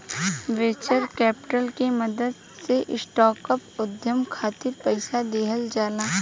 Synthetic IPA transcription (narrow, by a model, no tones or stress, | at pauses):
ʋeːt͡ʃəɾkɛːpɪ̥ʈəlkemɐd̪əd̪ | seʔɪsʈɔːkəpʊd̪jəmkʰaːt̪ɪɾpɛɪsad̪eːɦəld͡ʒaːnaː